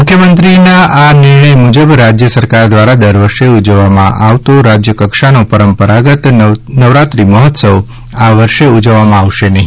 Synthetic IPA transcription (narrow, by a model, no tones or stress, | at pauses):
mʊkʰjəmənt̪ɾinaʔanɪɾɳ̃əjmud͡ʒəbɾad͡ʒjəsəɾkaɾd̪ʋaɾad̪əɾʋəɾʃeud͡ʒəʋːamã̰ʔaʋt̪oɾad͡ʒjəkəkʃanopəɾəmpəɾaɡət̪nəʋɾat̪ɾiməɦɔt̪səʋ | aʋəɾʃeud͡ʒəʋːamãaʋʃenəɦĩ